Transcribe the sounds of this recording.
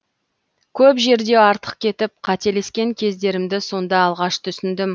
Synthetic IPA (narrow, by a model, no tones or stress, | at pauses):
kʲʰɵpʒe̞ɾd̪e̞ɑɾt̪ə̥qkʲʰe̞t̪ɪp̚qʰɑt̪e̞le̞skʲe̞ŋkʲʰe̞zd̪e̞ɾɪmd̪ɪso̞nd̪ɑːlˠʁɑʃt̪ʰʏsɪnd̪ɪm